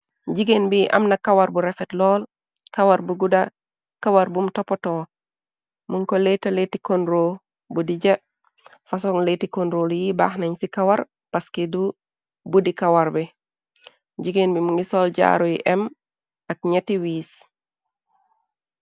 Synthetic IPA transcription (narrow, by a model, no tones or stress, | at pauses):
ɟiɡenbiʔɐ̰mnakawaɾbuɾefetlɔːl | kawaɾbuɡuda | kawaɾbumtopotoː | muŋkoletaletikonɾo | budiɟɐ | fasoŋletikonɾoljiba̰ːxnaɲsikawaɾ | paskedu | budikawaɾbe | ɟiɡenbimuŋɡisoːlɟa̰ɾojiʔɛm | akɲetiwiːs